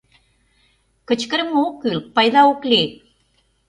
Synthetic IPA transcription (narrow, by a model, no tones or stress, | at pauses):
kət͡ɕkəɾmukɯlpajðaukli